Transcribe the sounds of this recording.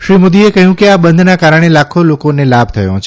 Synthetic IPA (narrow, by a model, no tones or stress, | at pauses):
ʃɾimod̪iekəɦjũkeabə̃nd̪ʱnakaɾəɽ̃elakʰolokonelab̚ʱt̪ʰəjo̰t͡ʃʰ